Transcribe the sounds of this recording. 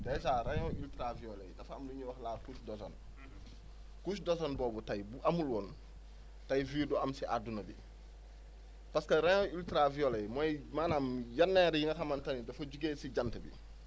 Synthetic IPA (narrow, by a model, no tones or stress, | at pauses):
dajs̬aːɾaɲõiltɾavijolḛjdɐfɐmduɲuwɐxlaːkusdɔso̰n | kusdɔsonbɔːbutajbuʔɐmulwɔːn | tajfiːduɐmsiʔadunɐbḭ | paskɐɾaɲoiltɾavijolejmɔjmaːnamjɐnːeɾjiŋɐxamantɐnidɐfɐɟuɡeːsiɟantəbḭ